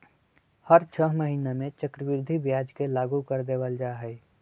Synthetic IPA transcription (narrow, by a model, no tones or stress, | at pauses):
həɾt͡ʃʰəɦməɦiːnamẽt͡ʃəkɾəʋɪɾd̪ʱibjaːd͡ʒkelaːɡukəɾd̪eːʋəld͡ʒaːɦɛi